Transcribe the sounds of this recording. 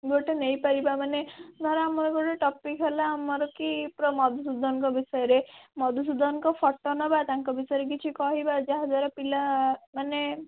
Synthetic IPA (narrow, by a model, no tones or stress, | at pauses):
ɡoʈenejpaɾibamanenaɾaamɔɾɔɡoʈeʈɔpikɦelaːmɔɾɔkipɾɔmɔd̪ʱusud̪ʱɔŋkɔbisɔjɔɾemɔd̪ʱus̬ud̪ʱɔŋkɔpʰɔʈːɔnɔbat̪aŋkɔbisɔjɔɾek̬it͡ʃʰikɔɦibad͡ʒaɦɔd͡ʒaɾɔpilamane